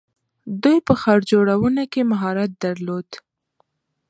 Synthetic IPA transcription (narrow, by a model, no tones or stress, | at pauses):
d̪ujpəxaɾd͡ʒoɽawənakemaɦɑɾat̪̚d̪aɾlod̪